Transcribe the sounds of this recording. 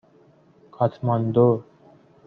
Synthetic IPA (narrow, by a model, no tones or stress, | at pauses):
kʰat̪ʰmand̪o